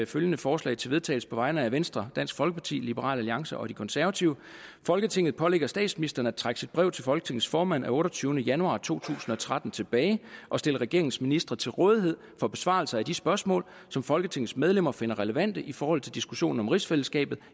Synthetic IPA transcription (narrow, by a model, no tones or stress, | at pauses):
føljənəfɒːslɛ̰ɪt͡sʰe̝lʋe̝ð̞ˠt͡sʰɛ̰ɪl̩sə̥pʰɒ̽ʋɑ̈ɪnəæʋensd̥ʁɐd̥æn̰sɡ̥fɒ̽lɡ̥əpʰɑ̈t͡sʰḭːlib̥əʁɑ̰̈ːlæliɑ̈ŋsɐʔɒ̽d̥ikʰɒ̽nsæɐʋæt͡sʰiʊəfɒ̽lɡ̥ət͡sʰe̝ŋ̰ð̩ˠpʰɒ̽leɡ̥ɐsd̥ɛ̰ːd̥sminisd̥ɐn̩æt͡sʰʁaɡ̥əsid̥̚b̥ʁɛʊ̰t͡sʰe̝lfɒ̽lɡ̥ət͡sʰe̝ŋð̩ˠsfɒːmæn̰ʔæɔ̽ːɾɒt͡sʰyːʊnəjænuɑ̰̈ːt͡sʰo̝̰ːt͡sʰṵːsn̩ɒ̽t͡sʰʁɑd̥n̩t͡sʰe̝b̥ɛːɪʔɒ̽sd̥e̝ləʁɛɡ̥e̝ɐeŋ̩sminisd̥ʁɐt͡sʰe̝lʁɔ̽ːð̞ˠiɦe̝ð̞̰ˠfɒ̽b̥e̝sʋɑ̰̈lsɐæd̥isb̥ɶɐsmɔ̰̽ːl | sɒ̽mfɒ̽lɡ̥ət͡sʰe̝ŋð̩ˠsmeð̞ˠlemɐfe̝nɐʁɛləʋæn̰d̥əʔifɒːhɒ̽l̰t͡sʰe̝ld̥isɡ̥uɕo̝̰ːn̩ɒ̽mʁisfeləsɡ̥ɛ̰ːb̥ð̩ˠ